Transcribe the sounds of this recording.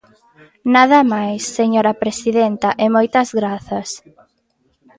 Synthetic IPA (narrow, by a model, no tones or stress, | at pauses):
naðɐmajsːeɲoɾɐpɾesiðent̪ɐʔemojt̪ɐzɣɾaθɐs